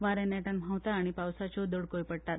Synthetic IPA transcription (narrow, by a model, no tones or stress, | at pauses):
ʋaɾɛ̃nɛʈanm̤awt̪aːɽ̃ipawsat͡ɕod̪oɽkojpəɽt̪at̪